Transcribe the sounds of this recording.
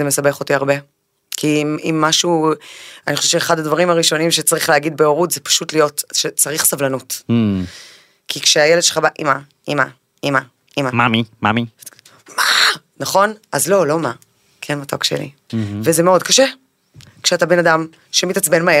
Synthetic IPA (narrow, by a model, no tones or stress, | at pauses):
eme̞sabe̞χotiaʁbe | kʰimimːaʃu | anixχoʃevt͡ʃeːχad̪advaʁimaʁiʃo̞nimʃet͡saʁiχleaɡid̪̚beoʁutzepḁʃutlijo̞tʃet͡saʁiχsavlanut | kʰikʃeajeled̪ʃelχabaʔima | ima | ima | imamamimami | ma | naχo̞nʔazlo̞lo̞ma | kʰenmatokʃḛlḭ | vezemeo̞dkaʃe | kʃeatabe̞nadam | ʃemitat͡sbenmae